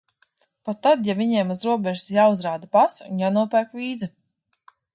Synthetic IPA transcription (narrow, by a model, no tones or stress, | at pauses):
pat̪ːad̪javʲiɲɛɛmuzɾuɔbʲɛʒusjaːuzɾaːd̪apasṵnjaːnuɔpæɾkvʲiːd̪zɨ